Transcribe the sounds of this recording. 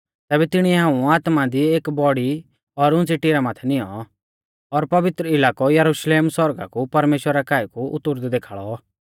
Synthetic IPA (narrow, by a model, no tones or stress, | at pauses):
t̪ɛːbɛt̪ɪɽ̃iɛɦãːũaːt̪mad̪ieːkbɔɽi | ɔɾʊ̃nt͡siʈiɾamaːt̪ʰɛnɪjɔ̰ | ɔɾpɐʋɪt̪ɾəɪlaːkɔjɐɾuʃleːmswɔɾɡa̰kupɐɾmeːʃwəɾakaːikuʊ̰t̪ːʊɾd̪d̪eːkʰaːɭɔ